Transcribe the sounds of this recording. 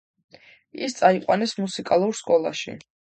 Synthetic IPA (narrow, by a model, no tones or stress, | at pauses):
ḭst̪sʼaiqʼwanɛsmusikʼalˠuɾskʼɔlˠa̰ʃḭ